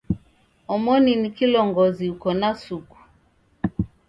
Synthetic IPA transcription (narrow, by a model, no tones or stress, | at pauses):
ɔmɔninikilɔŋɡɔziukɔnasuku̥